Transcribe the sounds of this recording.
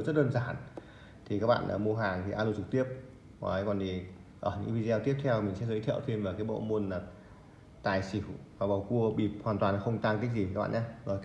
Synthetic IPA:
zə˦˥t̚ɗəː˧nzaː˧˩n | t̪ʰi˨˩kaː˦˥k̚ɓa̰ː˧˨nʔə˧˩mu˧əɦaː˨˩ŋt̪ʰi˨˩ʔaː˧lu˧˩t͡ɕɨ˨˩k̚t̪i˦˥əp̚ | ma̰ː˨˦jkɔ˨˩ni˨˩ʔəː˧˩ɲɨ̰˧˥ŋvi˧zɛ˧t̪i˦˥əp̚t̪ʰɛ˧wmi˨˩ŋsɛ˧˥zəː˨˦jt̪ʰḭ˧˨wt̪ʰe˧mvaː˨˩wkaː˨˦jɓo̰˧˨mu˧˩ənlaː˨˩ | t̪aː˨˩jsi˧˩˦wvaː˨˩ɓa̰˨˩wku˧əɓḭ˧˩p̚hwaː˨˩t̪waː˨˩n˨xə˧wŋ͡mt̪aː˧ŋk̪i˦˥k̟̚zi˨˩a˦˥k̚ɓ̰ːɲa˧ɔ˨˦

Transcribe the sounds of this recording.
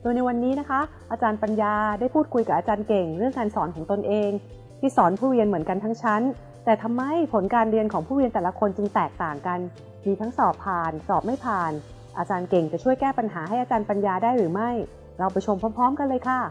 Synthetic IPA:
doː˧jna˧jwa˧nːiː˦˥na˦˥kʰa˦˥ | ʔaː˧t͡ɕaː˧npa˧njaː˧daː˥˩jpʰuː˥˩t̪̚kʰu˧jka˨˩ʔaː˧t͡ɕaː˧nke˨˩ŋɾɯ˥˩əŋːaː˧nsɔː˩˦nkʰɔː˩˦ŋt̪o˧nʔeː˧ŋ | t̪ʰiː˥˩sɔː˩˦npʰuː˥˩ɾi˧ənmɯ˩˦ənka˧nt̪ʰa˦˥ŋt͡ɕʰa˦˥n | t̪ɛː˨˩t̪ʰa˧mːa˦˥˩jpʰo˩˦nkaː˧nɾi˧ənkʰɔː˩˦ŋpʰuː˥˩ɾi˧ənt̪ɛː˨˩la˧˦kʰo˧nt͡ɕɯ˧ŋt̪ɛː˨˩k̚t̪aː˨˩ŋka˧n | miː˧t̪ʰa˦˥ŋsɔː˨˩pʰːaː˨˩nsɔː˨˩p̚ma˥˩jpʰaː˨˩n | ʔaː˧t͡ɕaː˧nke˨˩ŋt͡ɕa˨˩t͡ɕʰu˥˩əjkɛː˥˩pa˧nɦaː˩˦ɦa˥˩jʔaː˧t͡ɕaː˧npa˧njaː˧daː˥˩jɾɯː˩˦ma˥˩j | ɾa˧wpa˧jt͡ɕʰo˧mpʰɔː˦˥mpʰɔː˦˥mka˧lɤː˧jkʰa˥˩

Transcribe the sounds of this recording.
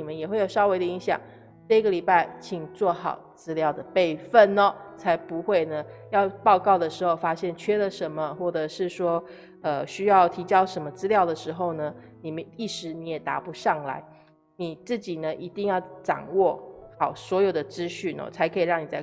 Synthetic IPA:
i˨˩mə˧˦njɛ˨˩xwe˥˩jo˨˩ʊʂɑ˥ʊwe˥ɪd̪ə˧i˧˥ŋɕjɑ̰˨˩ŋ | ʈ͡ʂɤ˥˩i˥ɡə˨li˨˩pa˥˩ɪt͡ɕʰi˨˩ŋt͡swɔ˥˩xɑ̰˨˩ʊt͡sɹ̩˥ljɑ˥˩ʊd̪ə˩pe˥˧ɪfə˥˩nnɔ˦t͡sʰa˧˥ɪpu˧xwe˥˩ɪnə˩jɑ˥˧ʊpɑ˥˧ʊkɑ˥˩ʊd̪ə˩ʂɻ̩˧˥xo˥˧ʊfa˥ɕjɛ˥˩nt͡ɕʰɥɛ˥lə˨ʂə˧˥nmə˧xwɔ˥˩ʈ͡ʂɤ˨˩ʂɻ̩˥˩ʂwɔ˥ | ə˧ɕy˥jɑ˥˩ʊt̪ʰi˧˥t͡ɕjɑ˥ʊʂə˧˥nmə˧t͡sɹ̩˥ljɑ˥˩ʊd̪ə˩ʂɻ̩˧˥xo˥˧ʊnə˩ | ni˨˩mə˦ni˥˩ʂɻ̩˧˥ni˧˥jɛ˨˩t̪a̰˧˥pu˧˥ʂɑ˥˩ŋla̰˧˥ɪ | ni˨˩t͡sɹ̩˥˩t͡ɕi˨˩nə˦ʔi˧˥t̪i˥˧ŋjɑ˥˩ʊʈ͡ʂɑ̰˨˩ŋwɔ˥˩xɑ˨˩ʊswɔ˧˥jo˨˩ʊd̪ə˩ʈ͡ʂɻ̩˥ɕy˥˩nɔ̰˧˩t͡sʰa˧˥ɪkʰɤ˧˥i˨˩ɻɑ˥˩ŋni˨˩t͡sa˥˧ɪ

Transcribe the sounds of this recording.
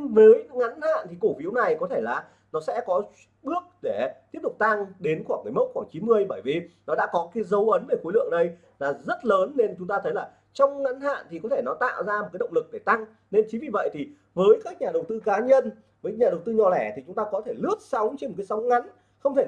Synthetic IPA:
vəː˨˦jŋa˨˦nha̰ː˧˨nt̪ʰi˨˩ko˧˩fi˨˦əwna˨˩jkɔ˨˦t̪ʰe˧˩laː˨˩ | nɔ˨˦sɛ̰˧˥kɔ˨˦ | ɓɨ˦˥ək̚ɗe˧˩t̪i˦˥əp̚t̪ʊ˨˩k͡p̚t̪a˧ŋɗe˨˦nxwaː˧˩ŋkɨ˨˩jmə˦˥t̚xwaː˧˩ŋt͡ɕi˨˦nmɨ˧əjɓəː˧˩jvi˨˩nɔ˨˦ɗa̰ː˧˥kɔ˨˦kaː˨˦jzə˨˦wʔə˨˦nve˧˩xo˨˦jlɨ̰˧˨əŋɗə˧j | laː˨˩zə˦˥t̚ləː˨˦nːe˧nt͡ɕʊ˨˦ŋ͡mt̪aː˧t̪ʰə˨˦jlaː˨˩ | t͡ɕɔ˧wŋ͡mŋa˨˦nɦa̰ː˧˨nt̪ʰi˨˩kɔ˨˦t̪ʰe˧˩nɔ˨˦t̪a̰ː˧˨wzaː˧m̚˨˩aː˨˦ɗə˧˨ŋ͡mlɨ˨˩k̚ɗe˧˩t̪a˧ŋ | ne˧nt͡ɕi˨˦vi˨˩və̰˧˨jt̪ʰi˨˩ | vəː˨˦jkaː˦˥k̚ɲaː˨˩ɗə˨˩wt̪ɨ˧kaː˨˦ɲə˧n | vəː˨˦jɲaː˨˩ə˨˩wt̪ɨ˧ɲɔ˨˩lɛ˧˩t̪ʰi˨˩t͡ɕʊ˨˦ŋ͡mt̪aː˧kɔ˨˦t̪ʰe˧˩lɨ˦˥ət̚sa˨˦wŋ͡mt͡ɕe˧nmo˨˩kːaː˨˦sa˨˦wŋ͡mŋa˨˦n | xə˧wŋ͡mt̪ʰe˧˩

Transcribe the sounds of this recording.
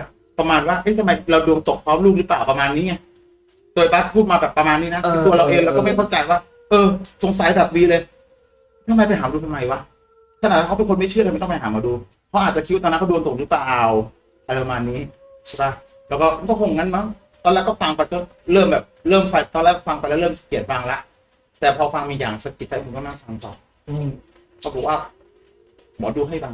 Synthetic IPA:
ɛ˨˩ | pɾa˧maː˧nwaː˥˩ʔaː˦˥˩t̪ʰa˧ma˧jɾa˧wdu˧əŋt̪o˨˩k̚pʰɾɔː˦˥mluː˥˩k̚lɯ˦˥plaː˨˩wpa˧maː˧nːiː˦˥ɲa˥˩ | t̪u˧jbaː˦˥t̪̚pʰuː˥˩t̪̚maː˧bɛː˨˩pːɾa˧maː˧nːiː˦˥na˦˥kʰːt̪u˧ɐɾa˧wʔe˧lːkɔ˥˩ma˥˩kʰa˥˩t͡ɕa˧jwaː˥˩ | ʔɤː˧so˨˧˩ŋsa˨˦jbɛː˨˩p̚wiː˧lɤː˧j | t̪ʰa˧mːa˧jpa˧jɦaː˨˩˦m˧duː˧t̪ʰmːa˧jwa˦˧˥ | kʰa˧naː˨˩t̚wa˧˩a˦˥pe˧ko˧nma˥˩t͡ɕʰɯ˥˩t̪a˧m˧˥˨t̪ɔ˥˩˧pa˧jɦaː˩˦maː˧duː˧ | pʰɔ˦˥ʔaː˨˩t̪̚t͡ɕa˨˩ki˦t̪w̪ːʰaː˦˥˩kʰa˥˩dnt̪o˨˩lɯ˦˥plaː˨˩w | ʔa˧a˧maː˧nːiː˦˥ | t͡ɕʰa˥˩ba˦˥˩ | t̪ɛː˨˦˩wkɔː˥˩a˧nkɔː˥˩kʰo˧ŋŋa˦˧˥nma˦˥ŋ | t̪ɔː˧lɛː˦˥˩kɔ˥˩fa˧ŋpa˧jt̪ɤː˥˩ | ɾɤː˥˩mbɛː˨˩p̚lɤː˥˩mfa˧jt̪ɔː˧nlɛː˦˥˩kfa˧ŋpa˧lːlɤː˥˩m˩ki˨˩ət̪̚baː˧ŋla˦˥ʔ | t̪ɛː˨˩pʰɔː˧fa˧ŋmiː˧jaː˨˩ŋsa˧ki˨˩t̪̚ʰːa˦˥˦mu˧nkɔː˥˩naː˥˩fa˧ŋt̪ɔ̰ː˨˩ | ʔɯ˧ | ɔː˧˩bʰkwaː˥˩ | bɔː˨˦duː˧ɦa˥˩jba˧ŋ

